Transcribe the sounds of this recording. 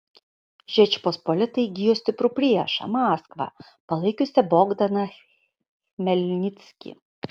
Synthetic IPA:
ʒʲɛt͡ʃʲpospolʲɪt̪ɐɪɡʲɪjoːsʲt̪ʲɪpɾʊpʲɾʲiɛʃɐ̰mɑːskʋɐ̰ | pɐlˠɐɪkʲʊsʲɛboːɡd̪ɐnɐ | mʲɛlʲnʲɪt̪sʲkʲḭ

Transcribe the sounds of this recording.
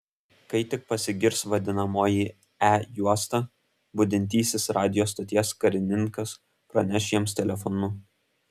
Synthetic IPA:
kɐɪt̪ʲɪk̚pɐsʲɪɡʲɪɾsʋɐd̪ʲɪnɐmoːji | æjuɔst̪ɑ | bʊd̪ʲɪnʲt̪ʲiːsʲɪsɾɑːd̪ʲɪjoːst̪ot̪ʲiɛskɐɾʲɪnʲɪŋkɐs | pɾɐnʲɛʃʲjiɛmst̪ʲɛlʲɛfɔnʊ

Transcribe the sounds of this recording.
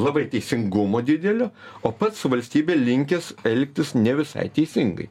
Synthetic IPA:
lˠɐbɐɪt̪ʲɛɪsʲɪŋɡʊmoːd̪ʲɪd̪ʲɛlʲoːoːpɐt̪sʋɐlʲsʲt̪ʲiːbʲeːlʲɪŋʲkʲɛsɛlʲkʲt̪ʲɪsnʲɛʋʲɪsɐ̰ɪt̪ʲɛɪsʲɪŋɡɐ̰ɪ

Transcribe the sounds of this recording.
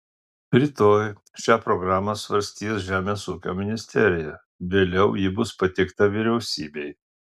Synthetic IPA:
pɾʲɪt̪oːj | ʃʲæːpɾɔɡɾɑːmɐsʋɐɾʲsʲt̪ʲiːsʒʲæːmʲeːsuːkʲo̰ːmʲɪnʲɪsʲt̪ʲɛɾʲɪjɛ | ʋʲeːlʲɛʊjɪbʊspɐt̪ʲɪkt̪ɐʋʲɪɾʲɛʊsʲiːbʲɛɪ

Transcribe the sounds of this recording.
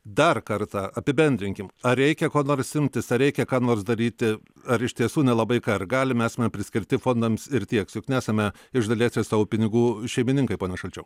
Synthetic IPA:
d̪ɐrkɐrt̪ɑɐpʲɪbʲɛnʲd̪ʲɾʲɪŋʲkʲɪmɐɾʲɛɪkʲɛkoːnoːɾsɪmʲt̪ʲɪsɐɾʲɛɪkʲɛkɑːnoːrsd̪ɐɾʲiːt̪ʲɪ | ɐɾɪʃʲt̪ʲiɛsuːnʲɛlˠɐbɐɪkɐrɡɑːlʲɪmæːsʲɐmʲɛpʲɾʲɪsʲkʲɪɾʲt̪ʲɪfoːnd̪ɐmsɪɾt̪ʲiɛksjʊknʲæːsɐmʲɛ | ɪʒd̪ɐlʲeːsʲɪsɑːʋʊpʲɪnʲɪɡuːʃʲɛɪmʲɪnʲɪŋkɐɪpoːnʲɛʃɐlʲt͡ʃʲɛʊ

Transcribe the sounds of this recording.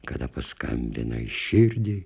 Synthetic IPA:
kɐd̪ɐpɐskɐ̰mʲbʲɪ̰nɐ̰ɪʃʲɪɾʲd̪ʲi

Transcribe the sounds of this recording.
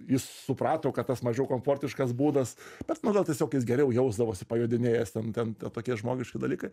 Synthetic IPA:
jɪssʊpɾɑːt̪oːkɐt̪t̪ɐsmɐʒʲɛʊkoːmfoːrʲt̪ʲɪʃkɐsbuːd̪ɐsb̥ʲɛt̪nʊɡɐlˠtʲiɛsʲoːkjɪs̬ɡʲɛɾʲɛʊjɛʊzd̪ɐʋoːsʲɪpɐjuːd̪ʲɪnʲeːjɛst̪ʲɛnt̪ʲɛnt̪ʲɛt̪oːkʲiɛʒmoːɡʲɪʃʲkʲɪd̪ɐlʲiːkɐɪ

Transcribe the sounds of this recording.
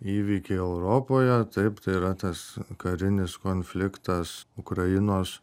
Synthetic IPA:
iːʋʲiːkʲɛɪɛʊɾoːpoːjɛt̪ɐɪpt̪ɐɪiɾɐt̪ɐskɐɾʲɪnʲɪskoːnʲfʲlʲɪkt̪ɐsʊkɾɐjɪnoːs

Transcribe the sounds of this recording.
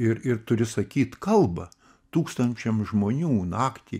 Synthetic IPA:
ɪɾɪrt̪ʊɾʲɪsɐkʲiːt̪kɐlˠbɐ | t̪uːkst̪ɐnʲt͡ʃʲɛmʒmoːnʲuːnɑːkt̪ʲiː

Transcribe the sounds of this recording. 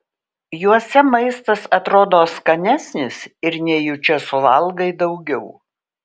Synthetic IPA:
juɔsʲɛmɐɪst̪ɐsɐt̪ɾoːd̪oːskɐnʲæsʲnʲɪsɪɾnʲɛjʊt͡ʃʲɛsʊʋɐlˠɡɐɪd̪ɒʊɡʲɛʊ

